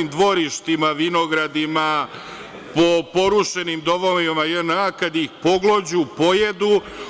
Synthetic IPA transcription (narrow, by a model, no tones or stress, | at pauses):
imd̪ʋo̞ɾiʃt̪imaʋinoɡɾad̪ima | po̞po̞ɾuʃenimd̪oʋomimajənakad̪ixpo̞ɡlod͡ʑupo̞jed̪u